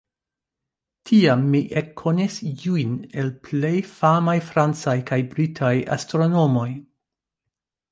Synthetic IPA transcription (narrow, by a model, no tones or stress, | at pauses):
tʰiamːiʔekʰːonisjujne̞lple̞jfamajfɾant͡sajkajbɾitʰaja̰stɾo̞no̞mo̞j